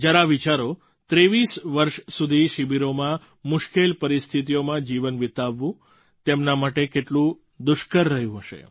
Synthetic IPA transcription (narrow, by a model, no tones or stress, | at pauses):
d͡ʒjaɾaʋit͡ʃaɾo | t̪ɾeʋisʋəɾʃsud̪ʱiʃibiɾomã | mʊʃkelpəɾist̪ʰit̪̬ijomãd͡ʒiʋənʋit̪aʋːũ | t̪emnamaʈekeʈlũ | d̪ʊʃkəɾːəɦjũɦəʃḛ